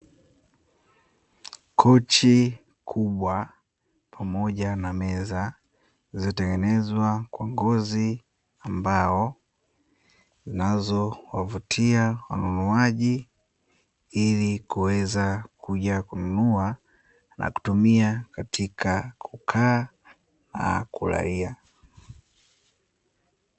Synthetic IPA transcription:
kʰɔt͡ʃi | kʰuɓwa | pʰamɔʄanamɛza | zizɔtɛŋɡɛnɛzwakwaŋɡɔzi | ambaɔ | zinazɔwavutʰiawa̰nunuaʄi | ilikuwɛzakʰuʄakununua | nʔa̰ku̥tumiakatʰikʰakʰukʰaː | na̰kuɾa̰ia

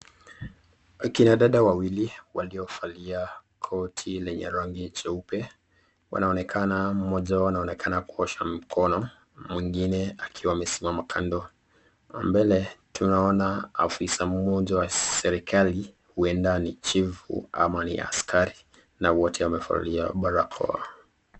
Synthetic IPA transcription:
kinaɗaɗawawiliwaliɔfaliakʰɔtʰilɛɲɛ̰ɾɔŋɡit͡ʃɛupɛ | wa̰naɔnɛkʰanam̩mɔʄawanaɔnɛkʰanakuɔʃam̩kʰɔnɔ | mwiŋɡinɛakʰiwaːmɛsimamakʰandɔ | mbɛlɛtʰunaɔnaafisammɔʄawasɛɾikʰali | huɛndanit͡ʃivṵa̰manḭa̰skaɾi | nawɔtʰɛwamɛfa̰lia̰ɓaɾakʰɔ̰a̰

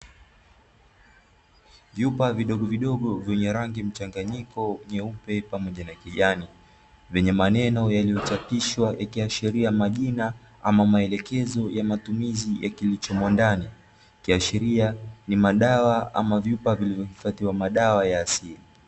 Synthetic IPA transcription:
vjupaviɗɔɠɔviɗɔɠɔvjɛɲɛɾaŋɡim̩t͡ʃaŋɡaɲikɔɲɛupɛpamɔʄanakiʄani | vɛɲɛmanɛnɔjalijɔt͡ʃapiʃwajakiaʃiɾiamaʄina | amamaɛlɛkɛzɔjamatumizijakilit͡ʃɔmɔndani | kiaʃiɾianimaɗawaa̰mavjupavilivjɔhifatiwamaɗawajaːsili

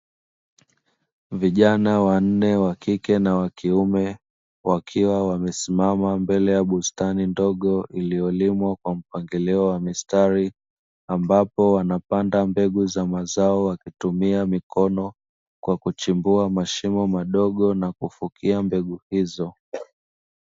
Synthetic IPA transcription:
viʄanawan̩nɛwakikɛnawakiumɛ | wakʰiwawamɛsimamambɛlɛjaɓustanindɔɠɔʔilijɔlimwakwam̩paŋɡilɛɔwamistaɾi | ambapɔwanapandambɛɠuzamazaɔwakitumiamikɔnɔ | kwakut͡ʃimbuamaʃimɔmaɗɔɠɔnakufukʰiambɛɠuhizɔ

